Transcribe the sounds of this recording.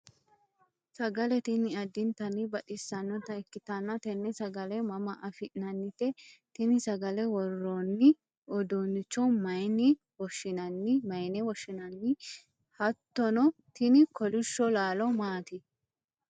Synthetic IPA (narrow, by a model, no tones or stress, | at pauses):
sɐɡɐlɛt̪ɪnɪɐd̪ɪnt̪ɐnɪbɐɗɪsːɐnːɔt̪ɐkːɪt̪ɐnːɐt̪ɛnːɛsɐɡɐlɛmɐmɐʔɐfɪʔnɐnːɪt̪ɛt̪ɪnɪsɐɡɐlɛwɔrːonːɪ | ɔd̪oːnːɪt͡ʃːɔmɐjnɪ | wɔʃːɪnɐnːɪmɐjnɛwɔʃːɪnɐnːɪ | hɐt̪ːɔnɔ | t̪ɪnɪkɔlɪʃːɔlaːlɔmaːt̪ɪ